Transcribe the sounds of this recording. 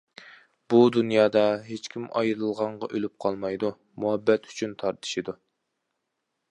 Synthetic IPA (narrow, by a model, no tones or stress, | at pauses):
b̥ud̪unjɑːd̪ɑɦet͡ʃkʲʰimʔɑ̰jɾɨlˠʁɑɴʁɑʔølyp̚qʰɑlˠmɑjd̪u | muɦɛbːɛt̪ʰy̥t͡ʃʰynt̪ʰɑɾt̪ʰɨ̥ʃid̪u